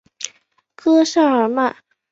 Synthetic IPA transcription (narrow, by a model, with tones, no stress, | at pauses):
kʰɤ˥ʂa˥˩ə˞˨˧˩ma˥˩